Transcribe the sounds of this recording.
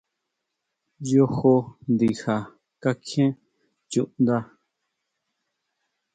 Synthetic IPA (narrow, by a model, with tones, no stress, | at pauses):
jo˦ho˧nd̪i˨ha˨ | ka˦kʰẽ˦ | t͡ʃu˧˨ʔnd̪a˦˧